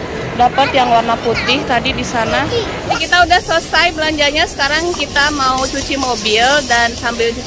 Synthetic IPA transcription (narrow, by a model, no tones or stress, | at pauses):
dapət̪jaŋwarnaput̪ɪht̪adidisana | jakit̪audahsəsajbəlaɲd͡ʒaɲasə̥kaɾaŋkit̪amaut͡ʃut͡ʃimobɪldansambɪlt͡ʃu